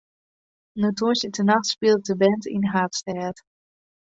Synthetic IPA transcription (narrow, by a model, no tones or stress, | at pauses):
nutusətənaxtspɪlˠt̚dəbɛntḭnɦaːtstɛːt